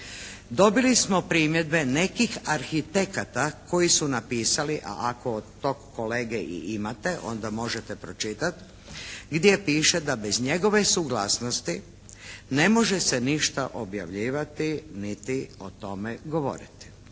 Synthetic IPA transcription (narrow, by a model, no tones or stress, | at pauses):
d̪o̞bilismo̞pɾiːmje̞d̪̚be̞ne̞kixaɾxit̪e̞kat̪akʰo̞jisunapiːsaliʔa̰ʔakood̪t̪ːokːoleːɡeʔḭʔimat̪e̞ʔo̞̰nd̪amo̞ʒet̪epɾo̞t͡ʃit̪at̪ | ɡd̪je̞piːʃed̪abezɲe̞ɡo̞ʋe̞suɡlaːsnost̪i | ne̞mo̞ʒeseniʃt̪a̰ʔo̞bja̰ʋʎiːʋat̪init̪io̞t̪o̞meɡo̞ʋo̞̰ɾḭt̪i̥